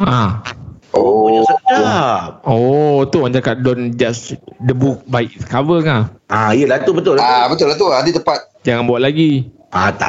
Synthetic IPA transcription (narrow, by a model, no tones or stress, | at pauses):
ã | ʔoaa | ot̪oand͡ʒakat̪̚dɔnd͡ʒasdəbuk̚vajit̚skavəŋaʔãijəlat̪ubət̪ʊlaabət̪ʊlat̪̬uadit̪əpat̪̚d͡ʒaŋanbuaʔlaɡi | ʔat̪a̰